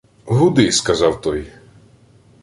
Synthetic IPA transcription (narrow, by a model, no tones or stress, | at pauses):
ɦʊd̪ɪskɐzɑwt̪ɔj